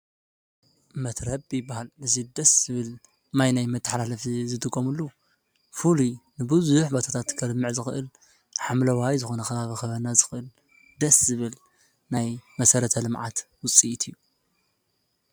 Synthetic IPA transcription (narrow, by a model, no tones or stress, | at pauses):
mɐt̪ʰɾɐbbibahalɨzid̪ɐszɨβɨl | majnajmɨt̪ʰːɐ̥ħalalɐfzɨd̪ɨɡʼomɨlːu | fulunɨbɨzuħbot̪ʰat̪ʰat̪kʰɐlmːɨʕzɨxʔɨl | ħamlɐwajzɨxo̞nɐxɐβaβixɐβɐnazɨxʔɨl | d̪ɐszɨβɨl | najmɐsɐɾɐt̪ʰɐlɨmʕa̰t̪wʊt͡sʼit̪ʰɨjːu